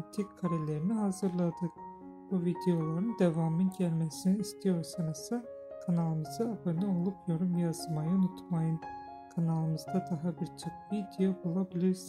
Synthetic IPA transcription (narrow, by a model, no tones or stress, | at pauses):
t̪ʰikkʰːaɾelʲeɾiniɦazɯɾlˠad̪ɯk | b̥uvid̪ejo̞lˠaɾɯnd̪evamɯnɟælʲmɛsiniːst̪ʰijo̞ɾsanɯsɯ | kʰanalˠɯmɯzɯabanɯo̞lˠupjo̞ɾumjazɯmajaunut̪ʰmajɯn | kʰanalˠɯmɯzd̪ad̪aɦabiɾt͡ʃʰokvid̪ijobulˠabilʲiɾs